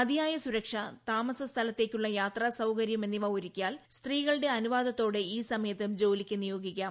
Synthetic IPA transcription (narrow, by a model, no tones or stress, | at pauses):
ɐd̪ijaːjɐsuɾɐkʂɐt̪aːmɐsɐst̪ʰɐlɐt̪ːe̞ːkʲːuɭːɐjaːt̪rɐsɐwkɐɾjɐme̞nːiʋɐuɾikʲːjaːlst̪riːɣɐɭɨɽe̞ɐnuʋaːd̪ɐt̪ːo̞ːɽeiːsɐmɐjɐt̪ːɨmd͡ʑo̞ːlikʲːunijo̞ːɡikːaːm